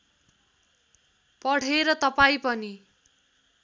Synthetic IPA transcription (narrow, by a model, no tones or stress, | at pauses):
pʌɽ̤eɾʌt̪ʌpaĩpʌni